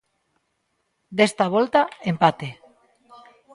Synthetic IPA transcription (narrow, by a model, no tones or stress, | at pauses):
d̪est̪aβ̞olt̪aempat̪e